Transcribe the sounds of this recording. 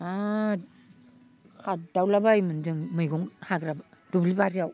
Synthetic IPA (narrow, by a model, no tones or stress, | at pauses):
a | kʰat̚dawlabajmɯndɯŋmɯjɡɔŋhaɡɾab | dublibaɾijaw